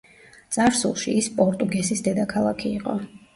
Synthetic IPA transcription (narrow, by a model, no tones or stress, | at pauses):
t̪sʼaɾsṵlˠʃiispʼɔɾt̪ʼuɡɛsisd̪ɛd̪akʰalˠakʰiːqʼɔ